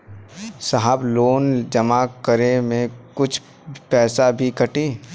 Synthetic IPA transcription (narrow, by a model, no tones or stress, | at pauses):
saɦəbloːnd͡ʒəmakəɾemẽkʊt͡ʃʰ | pɛːsabʱikəʈiː